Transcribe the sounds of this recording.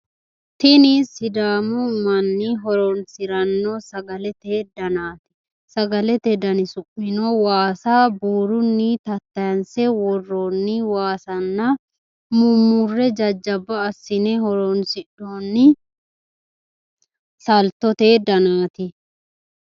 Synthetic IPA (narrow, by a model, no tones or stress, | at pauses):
t̪ɪnisːɪd̪aːmɔmɐnːɪɦɔɾɔnsɪɾɐnːoːsɐɡɐlɛt̪eːd̪ɐnaːt̪ɪ̥ | sɐɡɐlɛt̪ɛd̪ɐnɪsʊpːɪnoːwaːsaːbuːɾʊnːɪt̪ɐt̪ːɐjɐnsɛwɔrːoːnːɪwaːsɐnːɐ | mumʊrːɛd͡ʒɐd͡ʒːɐbːɐːsːɪnɛhɔɾɔnsɪɗːoːnːɪ | sɐlt̪ɔt̪eːd̪ɐnaːt̪ɪ